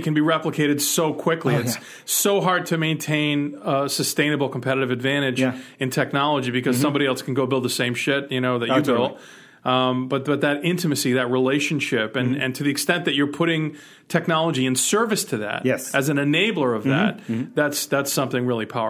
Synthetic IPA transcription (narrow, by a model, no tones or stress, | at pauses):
kʰɨ̃nbiɹɛpləkʰeɪɾɨdsoʊkʰw̥ɪkliɨs | oʊɦɑɹd̚tʰɨmẽɪ̃ntʰẽɪ̃nsɨstẽɪ̃nɨbl̩ˠkʰm̩pʰɛɾɨɾɨvɨdvæ̃ɾ̃ɨd͡ʒɨ̃ntʰɛk̚nɑlˠəd͡ʒibɨkʰʌz̥sʌ̃mbɑɾiɛlˠskʰn̩ɡoʊbɪlˠd̪̚ðəsẽɪ̃mʃɪt̚jɨñoʊðɨ | b̥ʌt̪̚b̥ʌt̪̚ðɨɾɪ̃ntɨmɨsiðɨt̚ɹileɪʃɨ̃n̩ʃɪpɨ̃nɨ̰̃ntʰɨðiɨkstɛ̃nðɨt͡ʃə˞pʰʊɾɪ̃ŋ | tʰɛk̚nɑlˠəd͡ʒiɨ̃nsɜ˞vɨstʰɨðæ̰ɾɛsʔɨzɨ̃n̩ɨneɪbl̩ˠə˞ʌvðæ̰t̪̚ðætsðætsʌ̃mθɪ̃ŋɹɪlˠipʰaʊə˞